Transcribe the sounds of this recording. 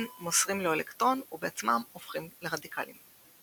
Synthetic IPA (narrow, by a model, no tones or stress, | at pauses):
nmosʁimleolekt̪ʁo̞nubeat͡smamofχimleʁadikʰa̰lḭm